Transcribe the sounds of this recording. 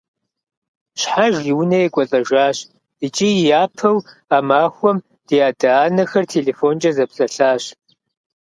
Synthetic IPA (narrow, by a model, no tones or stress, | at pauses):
ɕħaʒiwʊnɐjɛkʷʼɔɬʼɐʒaːɕ | it͡ʃʼijaːpʰɐwaːmaːxʷɔm | d̥ijaːdaaːnɐxɐrtʰeleːfoːnt͡ʃʼɐzɐpɬʼɐɬaːɕ